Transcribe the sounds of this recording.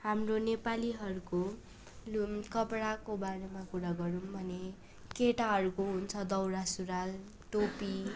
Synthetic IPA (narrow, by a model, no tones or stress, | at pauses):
hamronepaliɦʌɾuko | lukʌpɽakobaɾemakuɾaɡʌɾumbʱʌne | keʈaɦʌɾukoɦunt͡sʰʌd̪ʌwɾasuɾal | ʈopi